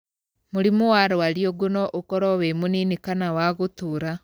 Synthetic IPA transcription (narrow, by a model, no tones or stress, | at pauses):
muɾimuwaɾwaɾjoɡunoʔukɔɾɔwemuninikanawaɣutuɾa